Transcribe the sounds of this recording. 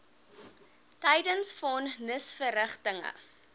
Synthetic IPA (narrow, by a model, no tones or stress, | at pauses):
tɛjdənsfɔnnəsfərəχtəŋə̰